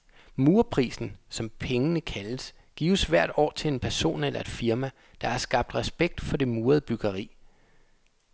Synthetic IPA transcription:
muːɐpʰʁḭːsn̩sɒ̽mpʰeŋənəkʰæləs | ɡ̥ḭːʊsʋæɐ̰d̥ɒ̰ːt͡sʰe̝e̝npʰæɐso̝̰ːnelʔɐe̝d̥fiɐmæ | d̥ɑ̈æɐsɡ̥ɑ̈b̥̚d̥ʁɛsb̥eɡ̥̚d̥fɒ̽de̝muːɐð̩ˠəb̥yɡ̥ɐʁḭː

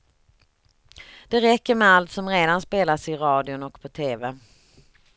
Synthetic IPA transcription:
d̪̥ɛɾɛkːəɾmɛalt̪sɔmɾeːd̪anspeːlasɪɾɑːd̪jʊnɔkːpʰɔt̪ʰeːvɛ

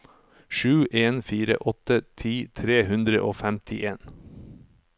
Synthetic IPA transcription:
ʃʉːʔeːnfiːɾə̰ʔɔt̪ət̪ʰiːt̪ʰɾeːhʉnd̪ɾə̰ʔoːfæmt̪ʰɪʔeːn

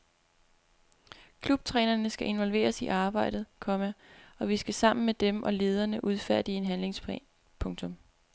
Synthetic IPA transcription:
kʰlub̥̚t͡sʰʁɛ̰ːnɐnəsɡ̥æʔe̝nʋɒ̽lʋe̝̰ːɐsiʔɑ̈ːb̥ɑ̈ɪ̰d̥ð̩ˠkʰɒ̽mæɒ̽ʋisɡ̥æsɑ̈m̰n̩med̥emʔɒ̽le̝ːð̞ˠɐnəʔuð̞ˠfæɐ̰d̥ie̝nɦænle̝ŋsp | pʰɔ̽ŋt͡sʰɔ̽m

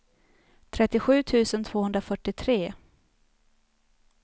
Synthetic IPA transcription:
t̪ʰɾɛt̪ːɪɧʉ̟ːt̪ʰʉ̟ːsənt̪ʰv̥oːhɵnd̪ɾafœʈːɪt̪ʰɾeː

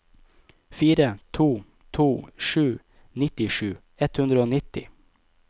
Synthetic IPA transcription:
fiːɾət̪ʰuː | t̪ʰuːʃʉː | nɪt̪ɪʃʉː | ɛt̪hʉnd̪ɾəoːnɪt̪ɪ̰

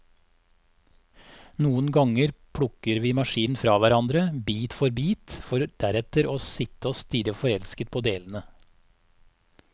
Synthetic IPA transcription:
nuːənɡɑŋəɾpʰɽʊkəɾʋiːmɑʃiːnfɾɑːʋæɾɑnd̪ɾəbiːt̪fɔɾbiːt̪fɔɾd̪̥æɾɛt̪əɾoːsɪt̪əoːst̪ɪɾəfɔɾɛlskət̪̚pʰoːd̪eːln̩ə

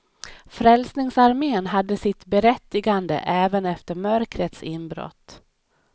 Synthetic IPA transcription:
fɾɛlsnɪŋsaɾmeːnɦad̪ːəsɪt̪bɛɾɛt̪ːɪɡand̪ə̰ʔɛːvənɛft̪əɾmœɾkɾət̪sɪnbɾɔ̰t̪ː

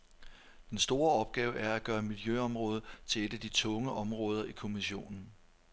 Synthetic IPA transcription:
d̥ensd̥o̝ːɐɒ̽b̥ɡ̥ɛːʊʔæɐæɡ̥ɶːɐmiljøɒ̽mʁɔ̽ːð̞ˠt͡sʰe̝ed̥əd̥it͡sʰɔ̽ŋəʔɒ̽mʁɔ̽ːð̞ˠɐʔikʰo̝miɕo̝̰ːnn̩

